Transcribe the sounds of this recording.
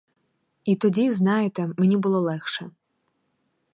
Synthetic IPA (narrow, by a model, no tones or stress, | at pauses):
it̪ɔdʲiznɑjet̪ɛmenʲibʊlˠɔlˠɛxʃɛ